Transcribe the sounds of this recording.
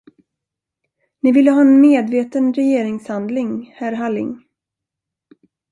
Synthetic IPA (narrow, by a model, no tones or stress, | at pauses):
nɪvɪlːəɦɑːɛnmeːd̪veːt̪ənɾɛjeːɾɪŋshand̪lɪŋhæɾɦalːɪ̰ŋ